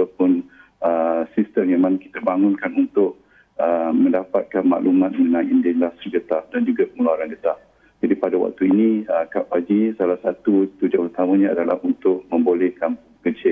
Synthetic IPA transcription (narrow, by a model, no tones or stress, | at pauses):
at̪apʊn | əsist̪əmamãnki̥t̪abaŋʊnkanunt̪ʊʔ̚ | əmə̃ndapat̪̚kanma̰ʔlumãt̪̚məənãjindɪnlast̪ərɡət̪af̚dand͡ʒuɡapəŋəluaɾanɡət̪ap̚ | d͡ʒadipadawa̰k̚t̪uinĩəkapad͡ʒisalahsat̪ut̪ud͡ʒaut̪amãɲãadala̰hunt̪ʊʔmə̃mbolɛhkan | kət͡ʃɪ